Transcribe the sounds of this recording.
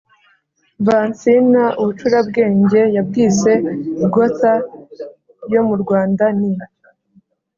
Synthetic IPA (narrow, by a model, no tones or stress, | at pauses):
vaːnt͡sinaʔuβut͡ʃuɾabɡe̞ːɲɟe̞jab̚ɡiːt͡se̞uɡota | jo̞muɾɡwaːndani